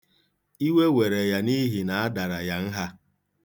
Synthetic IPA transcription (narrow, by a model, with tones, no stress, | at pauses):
i˦we˦we˨ɾe˨ja˨ni˦ɦi˨na˨a˦da˨ɾa˨ja˦n̩˦ɦa˦